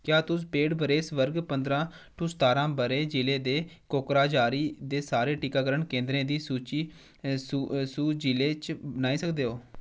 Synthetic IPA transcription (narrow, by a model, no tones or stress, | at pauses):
kjaːt̪ʊspeːɽbəɾeːsʋəɾɡpənd̪ɾãː | ʈʰuːst̪aːɾãːbəɾeːd͡ʒɪleːd̪eːkoːkɾaːd͡ʒaːɾiːd̪eːsaːɾeːʈiːkaːkəɾəɳkẽːnd̪ɾẽːd̪iːsuːt͡ʃiː | ssuːd͡ʒiːleːt͡ʃbənaːiːsəkd̪eːɦoː